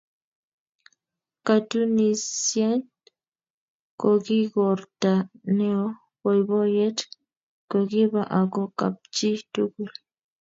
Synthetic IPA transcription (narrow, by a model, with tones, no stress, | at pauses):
kat̪u˦nisje˦nt | koɡiɡo˨ɾt̪a˨ne˦o | wo˨jbo˦je˦t | koɡi˦βaʔa˨ɡo˦ka̰˨p̚t͡ʃi˦t̪uɡul